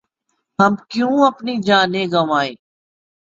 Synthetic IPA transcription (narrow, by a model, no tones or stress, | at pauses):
ɦəmkjũːəpniːd͡ʒãːneːɡəmaːeː